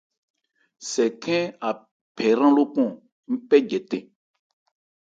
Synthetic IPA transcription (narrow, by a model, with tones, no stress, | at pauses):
sɛ˨kʰɛ̃˦a˨ | pʰɛ˨ɾã˦lo˦pɔ̃˦˨ | m̩˦pɛ˦d͡ʒɛ˨tɛ̃˨